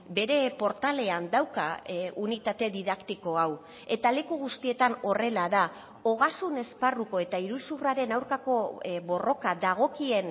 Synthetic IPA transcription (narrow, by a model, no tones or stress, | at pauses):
be̞ɾe̞po̞ɾt̪ale̞and̪awkaunit̪at̪e̞ðiðakt̪iko̞aw | e̞t̪ale̞kuɣ̞ust̪ie̞t̪ano̞re̞laða | o̞ɣ̞asune̞sparuko̞e̞t̪aiɾusuraɾe̞nawɾkako̞βo̞ro̞kaðaɣ̞o̞kie̞n